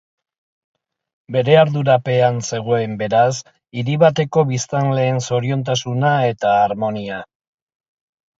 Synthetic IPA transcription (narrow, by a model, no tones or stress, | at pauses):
be̞ɾe̞aɾðuɾape̞anse̞ɣ̞o̞e̞mbe̞ɾas | iɾiβat̪e̞ko̞βist̪anle̞ːnso̞ɾio̞nt̪asunae̞t̪aːɾmo̞nia